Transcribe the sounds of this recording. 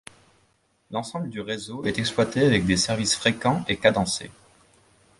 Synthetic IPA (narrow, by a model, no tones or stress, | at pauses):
lɑ̃sɑ̃bləd̪yʁezoɛt̪ɛksplwat̪eavɛk̚d̪esɛʁvisfχekɑ̃ekad̪ɑ̃sḛ